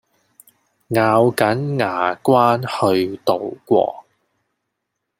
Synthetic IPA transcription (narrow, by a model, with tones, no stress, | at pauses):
ŋaː˨˧wkɐ˨˥nŋaː˨˩kwaː˥nhɵ˧ɥt̪o˨˧wkʷɔ̰ː˧